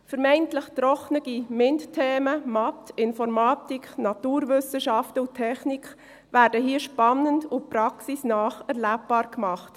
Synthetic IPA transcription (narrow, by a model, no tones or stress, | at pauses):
fəɾmɛɪntləχt̪ɾɔχnəɡ̥imɪnttʰːeːməmɑtɪnfɔɾmɑːtikχnɑtuːɾvʏsəʃɑftəʊtʰːɛχnikχ | væːɾdəɦiəʃpɑnːəndʊpɾɑksisnɑːχæɾlæp̚b̥ɑːɾkmɑχt